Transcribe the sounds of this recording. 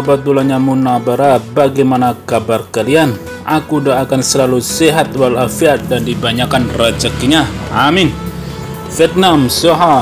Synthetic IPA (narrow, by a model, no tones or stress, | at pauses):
bat̪ulaɲamunabaɾabaɡajmanakabarkalian | akudaːkansəlaluseɦat̪̚walafiat̪̚dandibaɲakanrad͡ʒakiɲaamɪn | fiɛt̪̚namsɔɦa